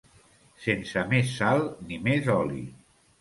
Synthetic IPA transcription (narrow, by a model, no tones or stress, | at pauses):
sensəmesːalˠnimezɔlḭ